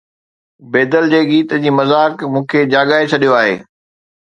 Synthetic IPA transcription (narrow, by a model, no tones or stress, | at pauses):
beːd̪əld͡ʑeːɠiːt̪əd͡ʑiːmɐzaːkmũːkʰed͡ʑaːɠaːɦet͡ɕʰɐɗijoaːɦḛː